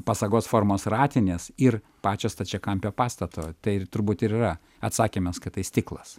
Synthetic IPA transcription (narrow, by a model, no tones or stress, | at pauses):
pɐsɐɡoːsfoːrmoːsrɑːt̪ʲɪnʲeːsɪr | pɑːt͡ʃʲoːst̪ɐt͡ʃʲɛkɐmʲpʲoːpɑːst̪ɐt̪oːt̪ɐɪt̪ʊɾbuːt̪ɪɾiːrɐ | ɐt̪sɑːkʲeːmʲɛskɐt̪ɐɪsʲt̪ʲɪːklˠɐs